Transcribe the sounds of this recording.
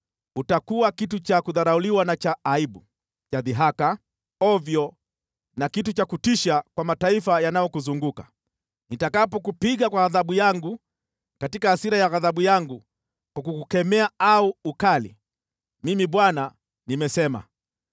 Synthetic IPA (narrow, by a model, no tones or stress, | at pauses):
utakuwakitut͡ʃakuðaɾauliwanat͡ʃaːiɓu | t͡ʃaðiɦaka | ɔvjɔ | nakitut͡ʃakutiʃakwamataifajanajɔkuzuŋɡukḁ | nitakapɔkupiɠakwaɣaðaɓujaŋɡu | katikahasiɾajaɣaðaɓujaŋɡu | kwakukukɛmɛaauːkalḭ | mimiɓwana | nimɛsɛma̰